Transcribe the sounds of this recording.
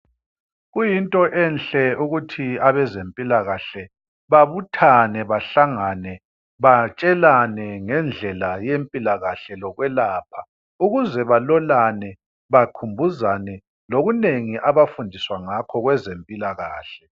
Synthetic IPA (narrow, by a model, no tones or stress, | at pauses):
ɣujintʼɔʔɛnɬɛuɣutʰiaβɛzempʼilaɣaɬɛ | βaβutʰanɛβaɬaŋanɛ | βat͡ʃʼɛlanɛŋɛnd͡ɮʱɛlajempʼilaɣaɬɛlɔɣwɛlaːp̚ʰa | uɣuzɛβalɔlanɛ | βakʰumbʱuzanɛ | loɣuneŋiʔaβafundʱiswaŋakʰɔɣwɛzempʼilaɣaːɬɛ̥